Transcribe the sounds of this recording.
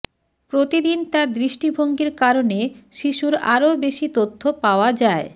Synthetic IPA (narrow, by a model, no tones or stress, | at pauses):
pɾot̪id̪int̪ad̪ɾiʃʈibʱoŋɡiɾkaɾoneʃiʃuɾa̰ɾobeʃit̪ot̪ʰːopaoad͡ʑae